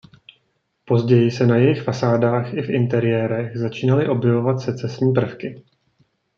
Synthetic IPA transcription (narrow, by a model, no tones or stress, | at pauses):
po̞zɟɛjɪsɛnajɛjɪxfasaːdaːxʔɪfʔɪnt̪ɛɾɪjɛːɾɛxzat͡ʃiːnalɪʔo̞bjɛvo̞vat̪sɛt͡sɛsɲiːp̬r̩fkɪ